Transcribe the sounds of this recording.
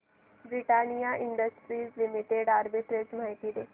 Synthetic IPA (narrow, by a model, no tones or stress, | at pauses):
bɾɪʈaːnijaːʔɪ̃ɳɖəsʈɾiːzlɪmɪʈeɖaːɾbɪʈ̪ɾet͡ʃmaɪt̪id̪eː